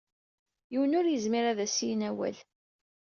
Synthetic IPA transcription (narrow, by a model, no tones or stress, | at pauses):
jiwənʊɾjəzmiɾæðæsijnæwæ̰l